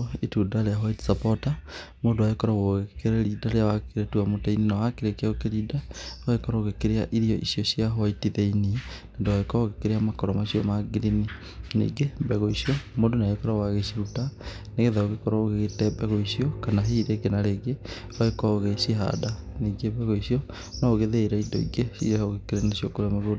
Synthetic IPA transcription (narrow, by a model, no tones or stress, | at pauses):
itudaɾeaɦwaiti̥sapɔtamoːndowaekɔɾaɣoɣeekeɾɛɾidaɾeawakeɾetuamotaininawakeɾekeɛokeɾidawaekɔɾaoɣekeɾeaʔiɾiɔʔisiɔsiaɦwaitiðeininendowaekɔɣekeɾeamakɔɾɔmaɕiɔmaɡiɾini | nḭːɡebɛɣɔisiɔmondonaekɔɾawaɣesiɾuta | neɣeðaoɣekɔɾaoɣeɣetɛbɛɣɔisiɔkanaɦeiɾeɡenaɾeɣe | waekɔɣeseɦa̰daniːɡebɛɣɔisiɔ | nɔːɣeðeiɾaidɔ̰ḭɡesḭɛoɣekeɾenasjɔkoɾamaɣod